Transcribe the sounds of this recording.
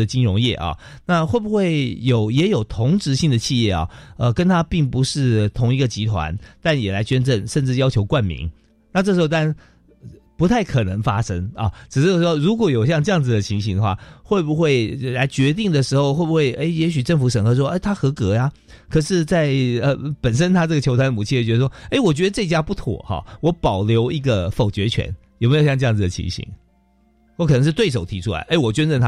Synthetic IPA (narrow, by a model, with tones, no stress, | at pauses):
ə˨t͡ɕi˥nɻʊ˧˥ŋjɛ̰˥˩ʔɐ̰˩na˥˧xwe˥˩ɪbu˨xwe˥˩ɪjo˨˩˦ʊjɛ˧˥jo˨˩ʊt̪ʰʊ˧˥ŋʈ͡ʂɻ̩˧˥ɕi˥˩ŋd̪ə˩t͡ɕʰi˥˧jɛ̰˥˩ɑ̰˨˩ə˧˨kə˥nt̪ʰa˥pi˥˩ŋpu˧˥ʂɻ̩˥˩t̪ʰʊ˧˥ŋi˧˥ɡə˧t͡ɕi˧˥t̪ʰwa̰˧˦nt̪a˥˩njɛ˨˩la˧˥ɪt͡ɕɥɛ˥nʈ͡ʂə˥˩ŋʂə˥˧nʈ͡ʂɻ̩˥˩jɑ˥ʊt͡ɕʰjo˧˥ʊkwa˥˩nmḭ˧˥ŋ | na˥˧ʈ͡ʂɤ˥˩ʂɻ̩˧˥xo˧ʊt̪a˥˩n | pu˧˥t̪ʰa˥˩ɪkʰɤ˨˩nə˧˦˥ŋfa̰˥ʂə˥ŋɐ̰˨˩ʈ͡ʂɻ̩˨˩ʂɻ̩˥˩o˥ʂwɔ˥ɻu˧˥kwɔ˧˥jo˨˩ʊɕjɑ˥˧ŋʈ͡ʂɤ˥jɑ˥˩ŋd͡z̩˩d̪ə˩t͡ɕʰi˧˥ŋɕi˧˥ŋd̪ə˧˩xwa̰˥˩xwe˥˩ɪbu˨xwe˥˩ɪla˧˥ɪt͡ɕɥɛ˧˥t̪i˥˩ŋd̪ə˩ʂɻ̩˧˥xo˧ʊxwe˥˩bu˨˩xwe˥˩ɪʔe˥˩ɪjɛ˧˥ɕ̬y˨˩ʈ͡ʂə˥˩ŋfu˧˥ʂə˨˩ŋxɤ˧˥ʂ̬wɔ˥e˥˩ɪt̪ʰa˥xɤ˧˥kɤ˧˥ja˧ | kʰɤ˨˩ʂɻ̩˥˧t͡sa˥˩ɪə˧pə˨˩nʂə˥nt̪ʰa˥ʈ͡ʂɤ˥˩ɡə˩t͡ɕʰo˧˥ʊt̪ʰa˥nə˨mu˨˩i˥˧jo˨˩t͡ɕɥɛ˧˥ə˧˩ʂwɔ˥e˥˩ɪwɔ˨˩t͡ɕɥɛ˧˥d̪ə˧ʈ͡ʂɤ˥˩t͡ɕja˥pu˥˩t̪ʰɔ̰˨˩˦xɑ̰˧˩wɔ˧˥pɑ˨˩ʊljo˧˥ʊi˧˥ɡə˧fo˨˩ʊt͡ɕɥɛ˧˥t͡ɕʰɥɛ̰˧˥njʊme˥jo˨˩ɕjʈ͡ʂjɑ˥˨ŋd͡z̩̪˨˩ə˨˩t͡ɕʰḭ˧˥ŋɕḭ˧˥ŋ | wɔ˧˥kʰɤ˨nɤ˧˥ŋʂɻ̩˥˧t̪we˥˩ɪʂ̬o˨˩ʊt̪ʰi˧˥ʈ͡ʂʰu˥la̰˧˦ɪʔe˥˩ɪwɔ˨˩t͡ɕɥɛ˥nʈ͡ʂə˥˩nt̪ʰa˦˥